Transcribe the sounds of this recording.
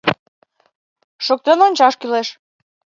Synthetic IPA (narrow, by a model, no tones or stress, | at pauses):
ʃok̚t̪enonʲt͡ɕɑʃkyleʃ